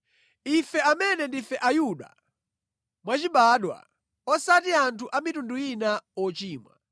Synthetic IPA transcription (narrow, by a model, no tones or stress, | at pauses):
ifɛamɛnɛndifɛʔajuɗa̰ | mwat͡ʃiɓaɗwa̰ | ɔsatiantʰuʔamitunduinaɔt͡ʃiːmwa̰